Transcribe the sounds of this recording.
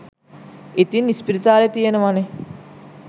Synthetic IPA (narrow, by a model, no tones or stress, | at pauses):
et̪inːispiɾit̪aːlet̪ijenəʋane